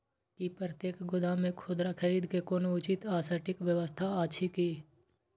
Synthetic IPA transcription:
kipɾət̪eːkʰɡʊd̪amẽkʰoːd̪ɾakʰəɾiːd̪kekoːnoʊt͡ʃɪt̪aːsəɾʈɪkwjəwəst̪ʰaaːʃʰikiː

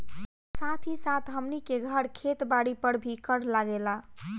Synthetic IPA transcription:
sat̪ʰisat̪ʰɦəmnikeɡʱəɽkʰet̪baɽipəɽbʱikəɽlaɡela

